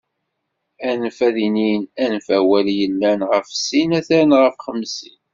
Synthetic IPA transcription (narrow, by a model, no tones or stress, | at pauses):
ænfæðininænfæwæljəlːænʁəfsinæθæɾnʁəfχəmːsin